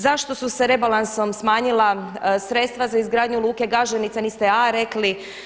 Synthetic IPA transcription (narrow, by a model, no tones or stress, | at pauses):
zaʃt̪o̞suseɾe̞balˠanso̞msmaːɲilasɾe̞t̪st̪ʋazaizɡɾaːd̪ɲulˠuːke̞ɡaʒenit̪saniːst̪ɛaɾe̞kli